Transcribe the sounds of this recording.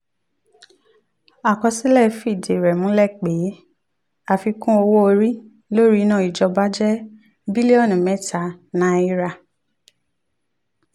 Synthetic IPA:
a˨kɔ˧si˦lɛ˦˨fi˦˨de˨ɾɛ˨mũ˨˦lɛ˦˨k͡pe˨˦ | a˧fi˧kũ˦o˧wo˦o˧ɾi˦ | lo˦ɾi˦˧˦nãː˦˨i˨d͡ʒɔ˧ba˦d͡ʒɛ˦ | bi˦li˦ɔ˦˨n˨mɛ̃˨˦ta˧˨nã˨˦i˦ɾa˧

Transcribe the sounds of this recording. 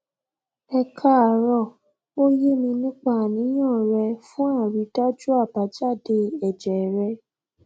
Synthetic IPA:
ɛ˧kʰa˦a˨ɾɔ˦˨ | o˦je˦˨mĩ˧nũ˦k͡pa˦˨nĩ˨˦j̃ã˦˨ɾɛ˧fũ˦ã˦˨ɾi˨˦ta˦d͡ʒu˦a˦˨pa˨˦d͡ʒa˦˨de˧˦ɛ˨d͡ʒɛ˨ɾɛ˧˦

